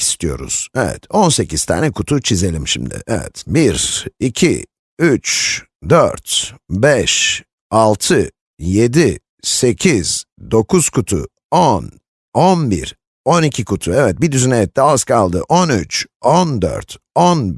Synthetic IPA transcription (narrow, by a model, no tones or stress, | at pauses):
ist̪ijo̞̰ɾṵz̥ɛvɛ̰t̪ʰonse̞cʰiz̥t̪ʰa̰ːnɛkʰut̪ʰut͡ʃʰize̞lʲimʃḭmd̪ɪ̰ʔɛvɛ̰t̪biɾicʰḭ | yt͡ʃ | d̪øɾt̪bɛʃ | alˠt̪ʰɯ | je̞d̪i | se̞cʰiz̥d̪o̞kʰuz̥kʰut̪ʰṵ | on | onbḭɾ | onicʰikʰut̪ʰuɛvɛt̪̚bid̪yzynejɛt̪ːɛazkʰalˠd̪ɯʔonyt͡ʃond̪ø̰ɾt̪ | on